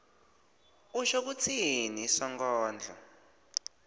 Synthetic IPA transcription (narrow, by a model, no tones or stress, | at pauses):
uʃɔk̬ut͡sʰinisɔŋɡɔːnd͡ɮʱɔ̰